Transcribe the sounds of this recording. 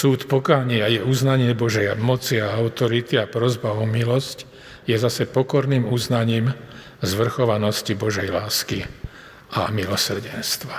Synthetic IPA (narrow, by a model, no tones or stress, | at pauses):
suːt̪pɔkaːɲɪajɛuznaɲɪɛbɔʒɛjamɔt͡siaaʊt̪ɔɾit̪iapɾɔzbaɔmilɔsc | jɛzasɛpɔkɔɾniːmuznaɲiːm | zʋr̩xɔʋanɔscibɔʒɛjlaːski | ʔa̰milɔsr̩ɟɛnst̪ʋa